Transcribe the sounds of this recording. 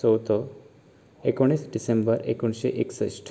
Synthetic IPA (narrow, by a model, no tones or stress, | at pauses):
ɔwt̪o | ekoɽ̃isɖisembəɾḛkuɳɕeʔeksəsʈʰ